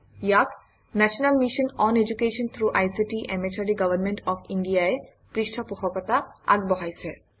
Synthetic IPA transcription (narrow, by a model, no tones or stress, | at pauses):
jak | nɛʃɔnalmiʃɔnɔned͡ʑukeʃɔnt̪ʰɾuʔajsiʈiʔɛmet͡ʃʰaɾiɡabanmeɳʈɔfinɖijae | pɾiʃʈʰapuxʰɔkɔt̪aa̰ɡbɔɦajsʰe